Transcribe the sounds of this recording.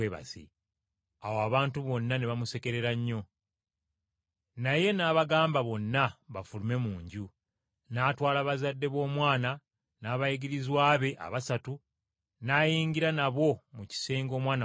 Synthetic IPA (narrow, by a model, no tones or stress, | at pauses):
eβa̰zḭ | awoaβaːntuβo̞nːane̞βamuse̞ke̞ɾe̞ɾaɲːo̞ | naje̞naːβaɡaːmbaβo̞nːaβafulume̞muːɲɟu | naːtwaːlaβazadːe̞βo̞ːmwaːna | naːβaiɡiɾizwaːβe̞ʔa̰βasatu | naːjiːɲɡiɾanaβo̞muci̥se̞ːŋɡo̞ːmwaːna